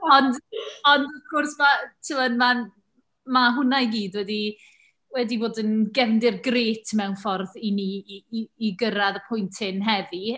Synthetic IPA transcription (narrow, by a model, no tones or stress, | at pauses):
ɔndɔndɔfkorsmatʰɪlˠanma | maɦʊnajɡiːdwɛdi | wɛdiboːdənɡɛvndɪrɡreːtʰmɛwnfɔrðiniː | ɡəɾaðəpʰʊjntʰɪnɦɛði